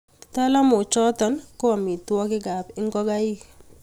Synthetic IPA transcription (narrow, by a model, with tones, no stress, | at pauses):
ta˦la˦mʊ˨t͡ʃɔ˦tɔ˦nkɔ˦a˨mi˨twɔ˦kɪ˦ɡa˨pɪ˦ŋɡɔ˦ɡa˦ji˦